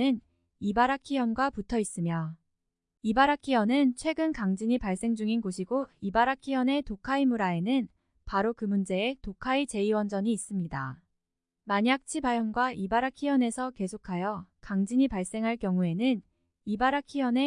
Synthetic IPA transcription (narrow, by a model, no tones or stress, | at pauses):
ɯn | ibaɾakʰijʌnɡwaputʰʌis͈ɯmjʌ | ibaɾakʰijʌnɯnt͡ɕʰwe̞ɡɯnkaŋd͡ʑiɲipaɭs͈e̞ŋd͡ʑuŋinɡoɕʰiɡoibaɾakʰiʌne̞tokʰaimuɾae̞nɯn | paɾokɯmund͡ʑe̞ːtokʰait͡ɕe̞iwʌnd͡ʑʌɲiːs͈ɯmɲida̰ | maɲak̚t͡ɕʰibajʌnɡwaʔibaɾakʰiʌne̞sʰʌke̞sʰokʰajʌkaŋd͡ʑiɲipaɭs͈e̞ŋɦaɭk͈jʌŋue̞nɯn | ibaɾakʰijʌne̞